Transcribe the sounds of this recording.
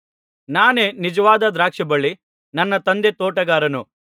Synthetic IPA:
naːne̞ːnid͡ʒɐʋaːd̪ɐd̪ɾaːkʂɐbɐɭːi | nɐnːɐt̪ɐnd̪e̞t̪oːʈɐɡaːɾɐnu

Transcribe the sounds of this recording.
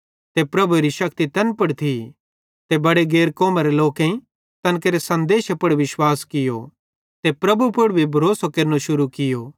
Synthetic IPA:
t̪epɾɐbʱuɾiʃɐkt̪it̪ɐnpʊɽt̪ʰi | t̪ebɐɽeɡeːɾkɔːmaɾeloːkẽĩ | t̪ɐnkeɾesɐ̃nd̪eːʃpɐɽʋɪʃwaːskɪjo̰ | t̪epɾɐbʱupʊɽbʱibʱɐɾoːsokɐɾnoʃʊɾukɪjoː

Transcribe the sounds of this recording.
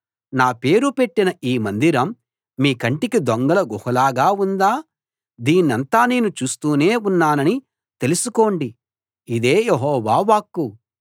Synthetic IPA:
naːpe̞ːɾupe̞ʈːinɐiːmɐnd̪iɾɐmː | iːkɐɳʈikid̪oŋɡɐlɐɡɔhɐlaːɡaːund̪aː | d̪iːnːɐnt̪aːne̞ːnut͡ʃuːst̪uːneːunːaːnɐni | t̪e̞lusuko̞ːɳɖi | id̪eːjeɦɔːʋaːʋaːkːu

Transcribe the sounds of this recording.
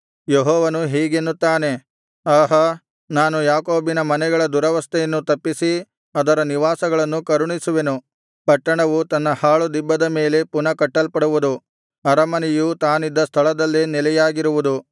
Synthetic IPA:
jeɦɔːʋɐnuɦiːɡenːut̪ːaːne̞ | aːɦɐ | naːnujaːkoːbinɐmɐnɛɡɐɭɐd̪uɾɐʋɐst̪ʰɛjɐnːut̪ɐpːisi | ɐd̪ɐɾɐniʋaːsɐɡɐɭɐnːukɐɾuɳisuʋe̞nu | pɐʈːɐɳɐʋut̪ɐnːɐhaːɭud̪ibːɐd̪ɐme̞ːle̞punɐkɐʈːɐlpɐɽuʋud̪u | ɐɾɐmɐnijut̪aːnid̪ːɐst̪ʰɐɭɐd̪ɐlːinɛlɛjaːɡiɾuʋud̪u

